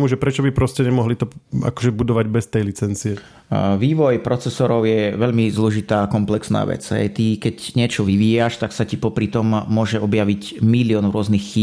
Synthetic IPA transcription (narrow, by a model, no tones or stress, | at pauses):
muʒɛpɾɛt͡ʃɔbipɾɔscɛɲɛmɔɦlit̪ɔa̰kɔʒɛbud̪ɔʋaɟbɛst̪ɛjlit͡sɛnt͡siɛ | ʋiːʋɔjpɾɔt͡sɛsɔɾɔʊjɛʋɛʎmizlɔʒit̪aːkɔmplɛksna̰ːʋɛ̰d͡zɦɛ̰jt̪ikɛcɲɪɛt͡ʃɔʋiʋiːjaʃt̪aksacipɔpɾit̪ɔmːʊɔʒɛɔbjaʋic | milɪɔnɾʊɔznixːiː